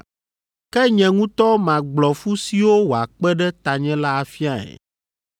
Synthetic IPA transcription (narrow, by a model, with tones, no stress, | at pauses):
kɛ˦ɲɛ̃˨ŋũ˦t̪ɔ˦mã˨ɡ͡blɔ˨fu˦si˨wo˦wo˨a˨k͡pɛ˦ɖɛ˦t̪a˨ɲɛ̃˦la˦a˨fi˦a˦˨ɛ̰˨